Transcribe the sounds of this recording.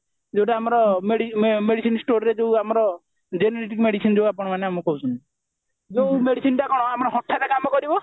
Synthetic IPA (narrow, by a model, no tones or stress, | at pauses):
d͡ʒewʈaamɔɾɔmeɽimeɽisinsʈoɾɾed͡ʒeuamɔɾɔ | d͡ʒenɔɾeʈ̬ikmeɽisind͡ʒeuapɔɽ̃maneamɔkɔɦut͡ʃʰuni | d͡ʒeũmeɽisinʈakɔɽ̃ɔamɔɾɔɦɔʈʰːaɾekamɔkɔɾibɔ